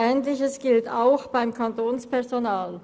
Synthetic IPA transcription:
ɛːntlɪçəsɡ̥ɪltaʊxb̥aɪmkʰantoːnspɛɐzonaːl

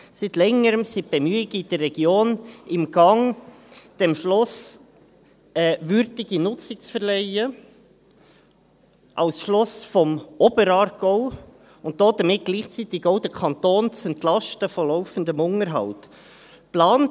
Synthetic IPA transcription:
sit̪lɛŋəɾəmsit̚b̥emyːɪɡid̥ərrɛɡ̥joːnɪmɡ̥ɑŋ | d̥ɛmʃlʊs | ɛvʏɾdɪɡ̥inʊt͡sɪk̚t͡sfəɾlɛɪə | ʔɑ̰ʊsʃlɔsfɔmɔbəɾɑːɾɡ̥ɔʊ | ʊntd̥̪ɔːd̥̪əmɪt̚ɡ̥liːχt͡sit̪ɪɡoʊdəkʰɑnt̪oːnt͡sɛntlɑʃtəfɔlɔʊfəndəmʊŋəɾɦɑ̰ʊt | plɑːn

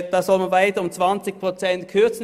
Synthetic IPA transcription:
d̥ɑːsɔlmanvaɪtəʊmt͡sv̥ant͡sɪçpʁ̥ot͡sɛntkʰʏɐt͡sn̩

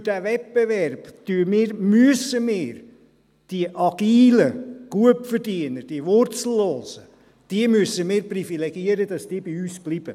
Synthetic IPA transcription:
fyd̥ævɛp̚b̥evɛrb̥tyːmɪːɾmyəsəmɪːɾ | d̥iəʔɑɡ̥iːləɡ̥uəpfəɾdiənəɾd̥iəvʊrt͡sl̩ːoːzə | d̥iəmyəsəmɪːɾprifilɛɡ̥iəɾəd̥ɑsd̥iːbiyːsb̥lib̥ə

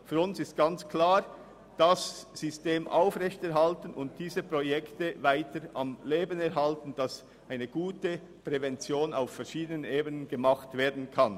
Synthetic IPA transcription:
fyːɾʊnsɪstɡ̥ant͡skʰlaːʁ | d̥asz̥ysteːmʔa̰ʊfʁɛçtɛʁɦaltən̩ʊ̰nt̚d̥iːzəpʁ̥ojɛktəvaɪtəʔamleːbənɛɾɦaltən̩d̥as | ʔaɪnəɡ̥uːtə | pʁ̥ɛvɛnt͡sjoːna̰ʊffɛɐʃiːdənəneːbənənɡəmaχtv̥eːɐdn̩kʰan

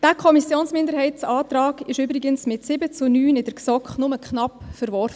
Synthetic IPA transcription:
d̥ækʰɔmisjoːnsmɪndəɾɦɛɪtt͡sɑːt̪rɑːɡɪʃʏbɾɪɡənsmɪtsɪbət͡sʊnyːnɪd̥əksɔkχnʊməkχnɑpfəɾʋɔrfə

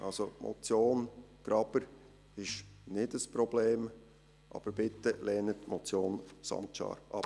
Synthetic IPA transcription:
ʔɑlsomʔo̰t͡sjoːnɡ̥ɾɑb̥əɾ | ɪʃnɪdəspɾobleːm | ʔɑ̰ːb̥əɾb̥ɪtəlɛːnətmot͡sjoːnsɑ̰mtʃɑ̰ːɾʔɑp

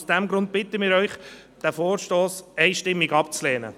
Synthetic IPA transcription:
sd̥ɛmɡɾʊnt̚b̥ɪt̪əmɪːɾœʏχ | d̥æfoːɾʃtoːsɛɪʃtɪmːiɡɑpt͡slɛːnə̰

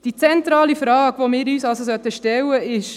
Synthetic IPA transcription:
d̥it͡sɛntɾɑːlifɾɑːkʋomɪːɾyːsɑlsosœt̪əʃtɛwːəɪʃ

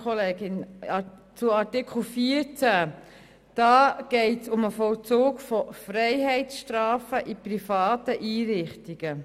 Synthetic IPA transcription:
ɔleːɡɪn | t͡sʊɑɾtɪkχl̩fiəɾt͡sæ | d̥ɑːɡ̥ɛɪtsʊməfɔlt͡soːɡfɔfrɛɪɦɛɪtsʃtɾɑːfəʔiprifɑːt̪əʔiːɾɪχtiɡ̥ə

